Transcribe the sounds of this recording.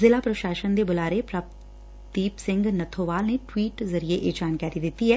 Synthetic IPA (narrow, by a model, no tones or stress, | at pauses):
zɪlaːpɾɐʃaːʃənd̪ebʊlaːɾepɾaːp̚ | t̪iːpsɪ̃ŋɡnɐt̪ʰoːʋaːlneʈwiːʈzɐɾieʔeːd͡ʒaːnkaːɾid̪ɪt̪ːiɦɛː